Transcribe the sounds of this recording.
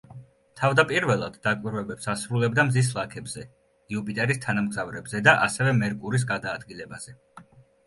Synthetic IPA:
t̪ʰavd̪apʼiɾvɛlˠad̪̥d̪akʼwiɾvɛbɛpsasɾulɛbd̪amzis̬lˠakʰɛbz̥ɛ | iupʼit̪ʼɛɾist̪ʰanamɡzavɾɛbzɛd̪aʔasɛvɛmɛɾkʼuɾis̬ɡad̪aːd̪ɡilɛbaz̥ɛ

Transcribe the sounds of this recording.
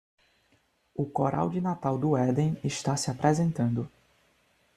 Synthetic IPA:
ʊkoɾʔa̰wd͡ʒɪnat̪awd̪ʊɛd̪ẽj̃ɪʃt̪asɪapɾɛzẽnt̪ɐ̃nd̪ʊ

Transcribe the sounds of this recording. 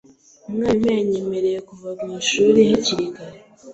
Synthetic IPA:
umŋaːmajaɲeme̞ɾe̞jekuvamŋiːʃuːɾihiciɾiɡaɾe

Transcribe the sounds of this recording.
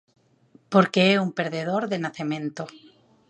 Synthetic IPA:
po̞ɾkeeumpe̞ɾðe̞ð̞o̞ɾðenaθemẽ̞nt̪o

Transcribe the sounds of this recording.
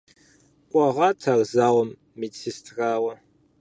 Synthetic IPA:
qʷʼɑʁɑtʰarzaːwɔmː | it͡sʰistʰraːwɐ

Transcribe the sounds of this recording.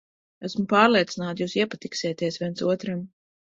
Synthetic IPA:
æsmupaːɾlˠiɛt̪sinaːt̪juːsiɛpat̪iksiɛt̪iɛsvʲiɛntsuɔt̪ɾam

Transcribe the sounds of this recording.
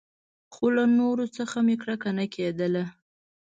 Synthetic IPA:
xolanoɾot͡səxamekɽakanakʰed̪əla

